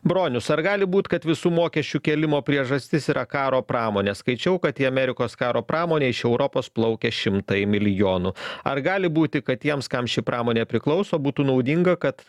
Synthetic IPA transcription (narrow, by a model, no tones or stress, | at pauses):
bɾoːnʲʊsɐɾɡɑːlʲɪbuːt̪ʲkɐt̪ʋʲɪsuːmoːkʲɛʃʲt͡ʃʲuːkʲɛːlʲɪmoːpʲɾʲiɛʒɐsʲt̪ʲɪsiːɾʔɐkɑːɾoːpɾɑːmoːnʲeːskɐɪt͡ʃʲɛʊkɐt̪iːɐmʲɛɾʲɪkoːskɑːɾoːpɾʔɑːmoːnʲeːɪʃɛʊɾɔpoːsplˠɒʊkʲɛʃʲɪmt̪ɐɪmʲɪlʲɪjoːnʊɐ̰ɾɡɑːlʲɪbuːt̪ʲɪkɐt̪t̪ʲiɛmskɐmʃʲɪpɾʔɑːmoːnʲeːpʲɾʲɪklˠɒʊsoːbuːt̪uːnɐʊd̪ʲiŋɡɐkɐt̪